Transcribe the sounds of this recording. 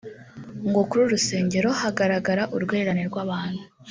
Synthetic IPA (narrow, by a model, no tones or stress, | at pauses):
ŋɡo̞kuɾuɾuse̞ːɲɟe̞ɾo̞haɡaɾaɡaɾaʔuɾɡwe̞ːɾaneɾɡwaβaːn̥hu